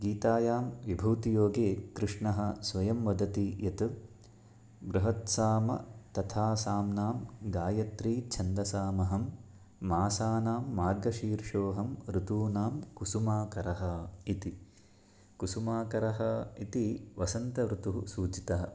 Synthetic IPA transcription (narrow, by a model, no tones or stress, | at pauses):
ɡiːt̪aːjaːmʋibʱuːt̪joːɡeːkɾɨʂɳɐɦɐ̆sʋɐjɐmʋɐd̪ɐt̪ijɐt̪u | bɾɐɦɐt̪saːmɐ̰t̪ɐt̪ʰaːsaːmnaːmɡaːjɐt̪ɾiːt͡ʃʰɐnd̪ɐsaːmɐɦɐmː | aːsaːnaːmːaːɾɡɐʃiːɾʂoːɦɐmɾut̪uːnaːmkusumaːkɐɾɐɦɐit̪i | kusumaːkɐɾɐɦɐit̪iʋɐsɐnt̪ɐʋɾut̪uɦusuːt͡ʃit̪ɐɦɐ̆